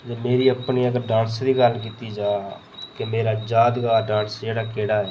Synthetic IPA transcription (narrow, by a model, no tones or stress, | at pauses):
d͡ʒemeːɾiːəpniːəɡəɾɖãːnsd̪iːɡəlk̬iːt̪iːd͡ʒaː | kɪmeːɾaːd͡ʒaːd̪ɡaːɖãːnsd͡ʒeːɽaːkeːɽaːɛː